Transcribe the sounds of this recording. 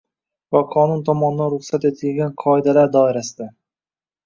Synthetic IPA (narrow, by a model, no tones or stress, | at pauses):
vaqʰɒnʊnt̪ʰɒmɒnɪd̪anɾʊχsat̪et̪ʰɪlɡʲanqʰɒed̪alaɾd̪ɒɪɾasɪd̪a